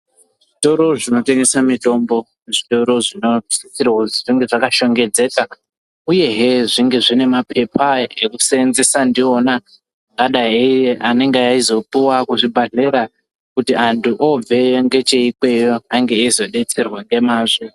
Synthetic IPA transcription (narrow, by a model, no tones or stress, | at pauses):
ʐito̞ɾo̞ʐino̞teŋɡesamito̞mbo̞ | ʐito̞ɾo̞ʐino̞isirwoʐiŋɡe̞ʐakaʃo̞ŋɡe̞d͡ze̞ːka | uje̞ɦeʐiŋɡe̞ʐine̞mapʰe̞paekusenzesandiona | ŋɡaɗaeeʔane̞ŋɡeaizo̞puwakuʐibʱaɮeɾa | kutiantʰuʔo̞b͡ve̞joŋɡe̞t͡ʃeikwe̞jo̞aŋɡe̞ːzo̞ɗe̞t͡serwaŋɡe̞maːʐo